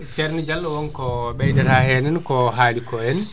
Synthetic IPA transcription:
t͡ʃɛɾnid͡ʒalːɔwɔnkɔɓɛjdɛɾahɛnɛnkɔɦaːlikɔɛn

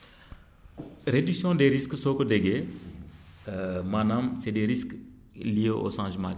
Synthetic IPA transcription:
ɾedyksjɔ̃deɾisksoːkɔdɛɡe | manamsɛdeɾisk | lijeʔo̰ʃãːʒmã̰ːk

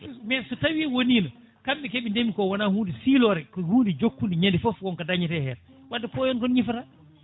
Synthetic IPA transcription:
mɛnsɔtawiːwoniːnɔ | kamɓɛkeɓindemikɔwɔnahuːndisiːlɔːɾɛkɔhuːndid͡ʒokːundiɲendifɔfkɔnkadaɲitɛhɛːɾɛ | wadːɛpɔjɔnkɔnɲifata

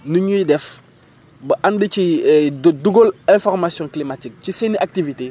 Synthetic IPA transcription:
nuɲuidɛf | bɐʔandit͡ʃi | duɡolɛ̃fɔɾmasjɔ̃klimatik̚t͡ʃiseniʔak̚tivite

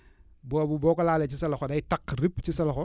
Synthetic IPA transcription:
bɔbubɔkɔlaːlɛt͡ʃisɐlɐxɔdajɪtakript͡ʃisɐlɔxɔ

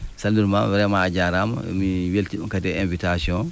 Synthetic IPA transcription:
salduɾmawɛɾɛmaːd͡ʒaɾamɔ̰miweltikadɛenvitasiɔn

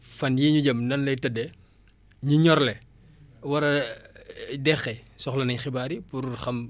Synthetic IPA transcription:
fɐnjiɲuɟɐmnɐnlɐjtɐdɛ | ɲuɲɔɾlɛ | wɐɾɐ | dɛxːɛsɔxlɐnɐɲxɪbaːɾipuɾxɐm

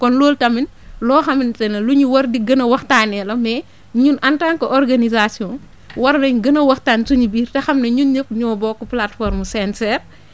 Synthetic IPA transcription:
kɔnloːltɐminlɔːxɐmintɛnɐluɲuwɐrdiɡɐnɐwɐxtanɛlɐmɛ | ɲunʔantaːnkɔʔɔrɡanizasiɔːn | wɐɾnɐɲɡɐnɐwɐxtaːnsuɲibiːrtɐxɐmnɐɲunɲəp̚ːɲɔːbɔkːɔplatfɔɾmusɛntɛr

